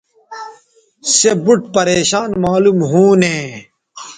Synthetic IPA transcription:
sebuʈ̚pɐɾeːɕaːnmaːlumɦũːnẽː

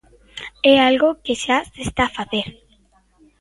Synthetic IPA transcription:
ɛalɣokeʃasest̪afaθeɾ

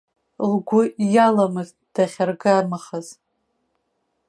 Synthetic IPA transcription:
lɡʷʊjalamɨz | d̥aχʲarɡamaχaz̥

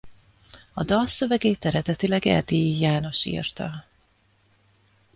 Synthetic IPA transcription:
ɒd̪ɒlsø̞vɛɡeːt̪ɛɾɛd̪ɛt̪ilɛɡɛ̰rd̪ijijaːno̞ʃḭːrt̪ɒ

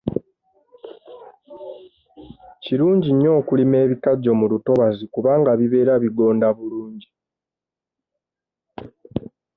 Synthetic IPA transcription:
ciɾuːɲɟiɲːo̞ːkulime̞ːβikaɟːo̞muluto̞βazikuβaːŋɡaβiβe̞ːɾaβiɡo̞ːndaβuluːɲɟi

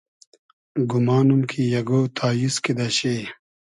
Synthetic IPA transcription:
ɡumaːnumkʰijɐɡoːt̪ʰaːjiskid̪ɐɕe

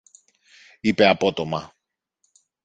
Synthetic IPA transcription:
ipe̞ɐpo̞t̪o̞mɐ

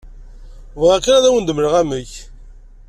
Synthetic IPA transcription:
vʁækinæðæwənd̪əmɾəʁæməç

